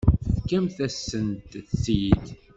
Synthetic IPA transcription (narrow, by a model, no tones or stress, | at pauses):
θkːæmθæsːənt̪sid̪